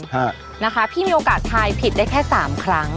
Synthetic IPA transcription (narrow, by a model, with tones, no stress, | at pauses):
a˥˩ | na˦˥kʰa˦˥pʰiː˥˩miː˧ʔoː˧kaː˨˩t̪ʰːaː˧jpʰi˨˩da˥˩kʰɛː˥˩saː˩˦mkʰɾa˦˥ŋ